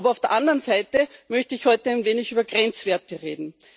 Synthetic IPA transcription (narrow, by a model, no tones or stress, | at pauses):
bɐaʊfd̥eɐʔandəʁənzaɪtəmœçtəɪçhɔʏtɛæɪnveːnɪçyːbɐɡʁɛnt͡sv̥ɛɐtəʁḛːdn̩